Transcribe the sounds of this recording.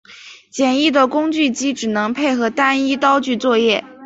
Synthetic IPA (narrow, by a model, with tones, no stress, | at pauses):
t͡ɕjɛ˨˩ni˥˩d̪ə˩kʊ˥ŋt͡ɕy˥˩t͡ɕi˥ʈ͡ʂɻ̩˨˩nɤ˧˥ŋpʰe˥˩ɪxɤ˧˥t̪a˥ni˥t̪ɑ˥ʊt͡ɕy˥˧t͡swɔ˥˧jɛ˥˩